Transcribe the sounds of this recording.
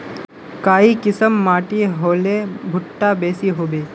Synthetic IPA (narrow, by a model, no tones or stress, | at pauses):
kaːikɪsəmːaːʈiɦoːlebʱʊʈːabeːsiɦoːbeː